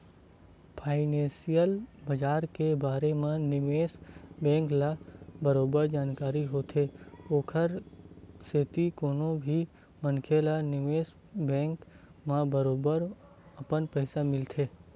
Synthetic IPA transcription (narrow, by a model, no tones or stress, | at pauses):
pʰaːɪnẽːsijəlbɐd͡ʒaːɾkebaːɾemẽnɪʋeːsbɛ̃ːŋklabəɾoːbəɾd͡ʒaːnkaːɾiɦoːt̪ʰeːoːkʰəɾset̪ikoːnõbʱi | mənkʰelanɪʋeːs | bɛ̃ːŋk | mãbəɾoːbəɾ | ɐpənpəɪsamɪlt̪ʰeː